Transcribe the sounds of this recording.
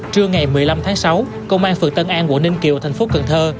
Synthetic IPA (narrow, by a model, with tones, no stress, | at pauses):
t͡ɕɨ˧əŋa˨˩jmɨ˨˩əjla˧mt̪ʰaː˨˦ŋsa˨˦w | kə˧wŋ͡mʔaː˧nfɨ˨˩k̚t̪ə˧nʔaː˧nku˧˩ənï˧ŋ̟ki˨˩əwt̪ʰa˨˩ŋ̟fo˨˦kə˨˩nt̪ʰəː˧